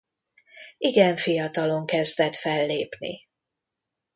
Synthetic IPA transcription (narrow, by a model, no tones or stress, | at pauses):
iɡɛɱfijɒt̪ɒlo̞ŋkɛzd̪ɛt̪fɛlːeːpnḭ